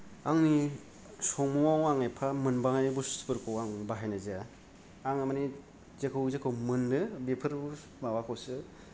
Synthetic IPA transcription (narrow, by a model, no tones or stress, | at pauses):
aŋni | sɔŋmuŋawaŋajpʰamɯnbaŋajbuspɯɾkʰɯwaŋbaɦajnaza | aŋɯmani | zekʰɯwzekʰɯwmɯndɯbepʰɯɾbu | mawakʰawsɯ